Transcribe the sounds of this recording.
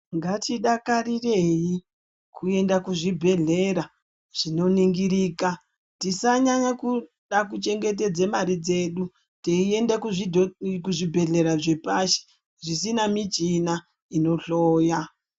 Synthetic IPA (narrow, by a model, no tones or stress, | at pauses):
ŋɡatiɗakarire̞ji | kue̞ndakuʐibʱe̞ɮe̞ɾa | ʐ̥ino̞niŋɡiɾiːka | tisaɲaɲaku | ɗakut͡ʃe̞ŋɡe̞t̬e̞d͡zemaɾid͡ze̞ːɗu | teie̞ndekukuʐibʱe̞ɮe̞ɾaʐe̞paʃe̥ | ʐisinamid͡ʒina | ino̞ɬoːja